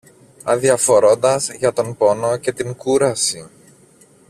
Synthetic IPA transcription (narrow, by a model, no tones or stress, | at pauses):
ɐ̰ðiɐfo̞ɾo̞nd̪ɐzʝɐt̪o̞npo̞no̞ce̞t̪iŋkuɾɐsi